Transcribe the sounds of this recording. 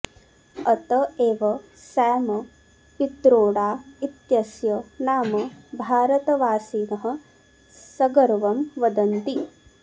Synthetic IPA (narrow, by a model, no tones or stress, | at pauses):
ɐt̪ɐeːʋɐ | sɛːmɐ | pit̪ɾoːɽaːit̪jɐsjɐnaːmɐbʱaːɾɐt̪ɐʋaːsiːnɐɦɐ̆ | sɐɡɐɾʋɐmʋɐd̪ɐnt̪i